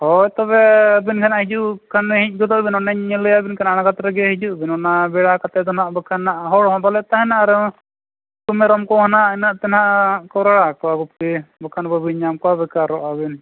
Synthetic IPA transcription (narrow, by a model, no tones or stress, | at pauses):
hɔjt̪ɔβɛabinkʰanaʔhid͡ʒuʔkʰanɛɦic̚ˀɡɔd̪ɔʔbinɔnɛɲɛləjabinkʰanaanaɡat̪ɾɛɡɛɦid͡ʒuʔbinɔnabɛɽakat̪ɛd̪ɔnaʔbəkʰanːaʔɦɔɽɔɦɔ̃balɛt̪aɦɛnaʔɾɔ | kumɛɾɔmkɔɦɔnaʔɛnaʔt̪ɛnhaʔkɔwɾaɽakɔwaɡup̪̚kɛbɔkʰanbəbiɲamkwabɛkaɾɔʔabɛn